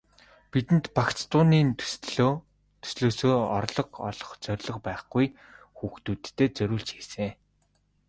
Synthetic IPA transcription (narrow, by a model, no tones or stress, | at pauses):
pit̪ɘ̆nt̪pakt͡st̪ʊːniːnt̪ʰɵ̥sɮoː | t̪ʰɵ̥sɮoːsoːɔrɮɞ̆qɔ̰ɮɞ̥̆χt͡sœrʲɮɞ̆qpæːχɡuj | xuːxt̪uːt̪ːeːt͡sœɾʲuːɮt͡ɕxiːsɘ̆ː